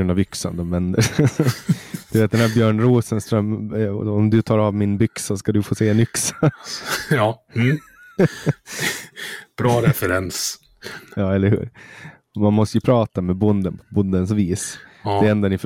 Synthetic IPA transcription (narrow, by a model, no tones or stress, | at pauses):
ɾɵnd̪avʏksə̰nd̪ɔmvɛnd̪əɾ | d̪̥ʉveːt̪̚d̪ɛnæːɾbjœːɳɾuːsənst̪ɾœmːɔmd̪ɵt̪ʰɑːɾavmɪnbʏksaskad̪ɵfoːseːɛnʏksḁ | ɑ | b̥ɾɑːɾɛfɛɾɛns | jɑːɛlːəɾhʉ̰ːɾ | manmɔst̪əjʉpʰɾɑːt̪amɛbʊnd̪ənpʰɔbʊnd̪əns̬viːsd̪ɛɾɛnd̪anɪf